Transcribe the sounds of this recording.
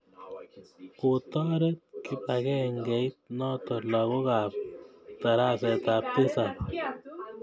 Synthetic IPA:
ko˨tɔ˦ɾe˦t̚ki˦pa˨kɛ˦ŋɡɛ˨i˦t̚nɔ˦tɔ˨la˨ko˦ka˨p̚ta˨ɾa˦sɛ˨ta˨p̚te˦sa˨

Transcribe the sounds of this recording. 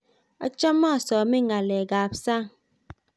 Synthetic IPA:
a̰˨t͡ʃa˦mːa˦˨sɔː˨mi˦ŋa˨lɛ˨ɡa˨psa˦˨

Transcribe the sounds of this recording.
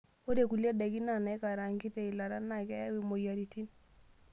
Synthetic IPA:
o˦de˦˨ku˨lja˦dɛ˨ki˦na˨na˨ɪ˦ka˨ɾa˨ŋɡi˦tɛ˦i˨la˨ɾa˦na˦kɛ˦wi˨mo˨ja˨ɾi˨ti˦n

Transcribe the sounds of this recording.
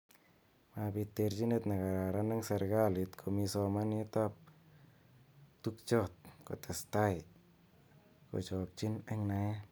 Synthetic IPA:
mabi˧t̪ːe˧ɾt͡ʃi˦ne˦˧t̪na˨ka˨a˨ɾa˦na˦ŋsa˧ɾɡa˦li˨t̪kʰomi˧sɔ˧ma˦ni˦t̪a˦p̚ | t̪u˦k̚t͡ʃɔ˦t̪̚kɔ̰˨t̪ɛ˨st̪a˦j | ko̰˨t͡ʃɔ˨k̚t͡ʃi˦nɛ˦ŋna˧ja˦

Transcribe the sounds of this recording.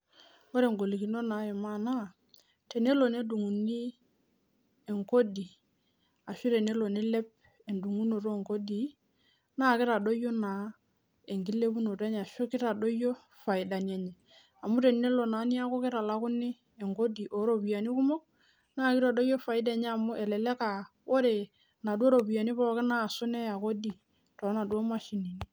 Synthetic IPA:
o˦ɾe˨ŋɡo˨li˨ki˨no˦na˨˦ɛ˨ma˦˨na˦ | te˨ne˦lo˨ne˦du˨ŋu˨ni˦ | e˨ŋko˦di˨ | a˨ʃɔ˦te˨ne˦lo˨ne˦lɛ˦p̚ | e˨ndu˨ŋu˦no˨ɾo˦˨ŋko˦di˦ | na˦˨kɪ˦ɾa˨do˦jo˦na˨˦ | e˨ŋɡi˦le˦bu˦no˨ta˦ɲ˨a˨ʃo˦kɪ˦ɾa˨do˦jo˦ | fa˨ɪ˨da˨ni˨e˨ɲɛ˨ | a˨mu˦ɾe˨ne˦lo˨na˨˦ni˦a˦kɔ˦kɪ˦ɾa˨la˦kʊ˦nɪ˦ | e˨ŋɡo˦di˨ʔo˨˦ɾo˨bija˨ni˦kʊ˦mɔ˦k̚ | na˦˨kɪ˦ɾa˨do˦jo˦fa˨ɪ˦dɛ˨ɲɛ˦a˨mʊ˦ʔɛ˨lɛ˨lɛ˦ka˨ | wo˦ɾe˨ | na˨du˦o˦ɾo˨bu˨a˨ni˦pɔ˦ɔ˨˦kɪ˦na˦˨sʊ˦nɛ˦a˨ko˦di˨ | tɔ˨˦na˨dwo˦ma˦ʃi˨ni˨ni˦

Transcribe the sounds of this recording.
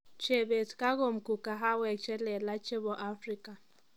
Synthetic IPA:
t͡ʃe˨be˨t͡ska˦ɡo˨mku˨ka˨ɦa˦we˨k̚t͡ʃe˦le˨la˦t͡ʃe˦bo˨ʔa˦fɾi˦ka˨

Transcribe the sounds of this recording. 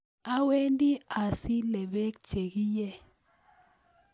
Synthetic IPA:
a˦we˦ndi˦a˨si˦lɛ˨ɓɛ˦k̚d̥ʒ̥ʱe˨ki˦jɛ˦˨

